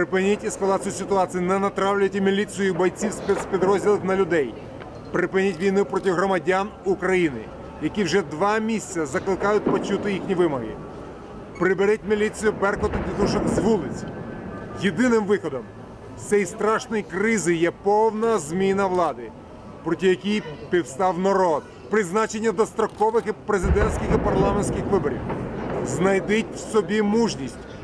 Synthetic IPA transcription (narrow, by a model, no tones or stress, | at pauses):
pɾɪpɪnʲitʲɛskɐlˠɑt̪sʲijʊsʲɪt̪ʊɑsʲijʊnɛnɐt̪ɾɑwlʲɐt̪ʲɪmʲilʲisɨjʊibɔjt͡sʲiwspɛspʲid̪ɾɔzʲdʲilˠɪxnɐlʲʊd̪ɛj | pɾɪpɪnʲitʲʋʲijnupɾɔtʲɪɦɾɔmɐdʲanukɾɐjinɪ̰ | jɐkʲiwʒɛd̪ʋɑmʲisʲt͡sʲɐzɐklˠɪkɑjʊt̚ʲpɔt͡ʃut̪ɪjixnʲiʋɪmɔɦɪ̰ | pɾɪbeɾɛtʲmʲilʲisʲijʊbɛrkɔt̪ʊpʲid̪uʃɐnɪzʋulˠɪt͡sʲ | jed̪ɪnɪmʋɪxɔd̪ɔm | sʲɛjst̪ɾɑʃnɔjkɾɪzɪjɛpɔwnɐzmʲinɐʋlˠɑd̪ɪ | pɾɔtʲijɐkʲijpʲiwst̪ɑwnɐɾɔd̪̚ | pɾɪznɑt͡ʃe̞nʲːɐd̪ɔst̪ɾɔkɔʋɪxɪpɾezɪd̪ɛnsʲkʲɪxipɐrlˠɑmenʲsʲkʲɪxʋɪbɔɾʲḭwznɐjd̪ɪtʲwsɔbʲimuʒnʲisʲtʲ